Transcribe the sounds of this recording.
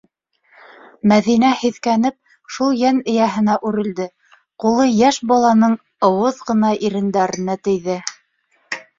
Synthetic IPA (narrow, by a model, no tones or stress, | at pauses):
mæðinæhiðkænɘp̚ | ʃulˠjænɘ̆jæɦɘ̆næʔʉɾɘ̆ld̪ɘ | qulˠɤjæʃbɑlˠɑnɤɴ | ŏwɤðʁɤ̆nɑʔiɾɘ̆nd̪æɾɘ̆næt̪ɘ̆jðɘ